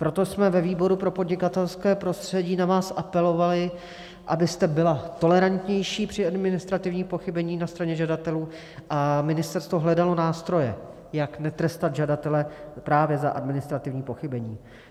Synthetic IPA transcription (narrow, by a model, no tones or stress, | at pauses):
pɾo̞t̪o̞smɛvɛviːbo̞ɾupɾo̞po̞dɲɪkat̪ɛlskɛːpɾo̞st̪r̝̥ɛɟiːnavaːsʔapɛlo̞valɪ | ʔabɪst̪ɛbɪlat̪o̞lɛɾant̪ɲɛjʃiːpr̝̥ɪadmɪnɪst̪ɾat̪ɪvɲiːpo̞xɪbɛɲiːnast̪ɾaɲɛʒadat̪ɛluː | ʔamɪnɪst̪ɛɾst̪vo̞ɦlɛdalo̞naːst̪ɾo̞jɛ̰ | jaknɛt̪ɾɛst̪at̪ʒadat̪ɛlɛpɾaːvjɛza̰ʔa̰dmɪnɪst̪ɾat̪ɪvɲiːpo̞xɪbɛɲiː